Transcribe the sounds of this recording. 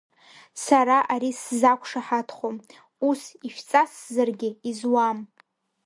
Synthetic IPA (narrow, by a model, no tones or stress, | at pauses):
saɾaʔaɾiszakʷʰʂaħatʰχom | usiʃt͡sʼaszarɡʲɪizwam